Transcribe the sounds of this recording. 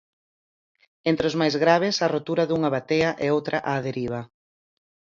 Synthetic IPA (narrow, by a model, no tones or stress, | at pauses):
ent̪ɾɪʊzmajzɣɾaβ̞ɪsɐrot̪uɾɐðuŋaβat̪eɐʔɛowt̪ɾʔaʔaːðeɾiβ̞ɐ